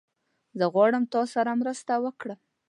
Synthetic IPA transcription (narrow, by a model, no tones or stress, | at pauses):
zəɣwɑɽəmt̪ɑsaɾamɾəst̪awəkɽa